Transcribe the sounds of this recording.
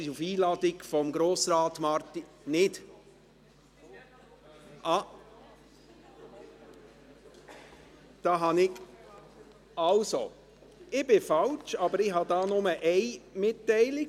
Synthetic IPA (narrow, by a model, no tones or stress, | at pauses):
ɪufiːlɑːdɪɡfɔmɡɾoːsɾɑːtmɑɾti | nɪd̥ | ʔɑ | d̥ɑːɦɑnɪɡ | ɑlso | ɪb̥ɪfɑlt͡ʃɑbəɾɪhɑdɑːnʊməʔɛɪmɪtːɛɪlɪɡ